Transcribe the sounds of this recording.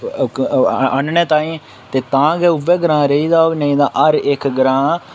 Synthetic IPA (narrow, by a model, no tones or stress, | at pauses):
əɳnɛ̃ːt̪ãːĩː | t̪eːt̪ãːɡɛːʊʋɛːɡɾãːɾəiːd̪aːnəĩːd̪ãːʔəɾɪkɡɾãː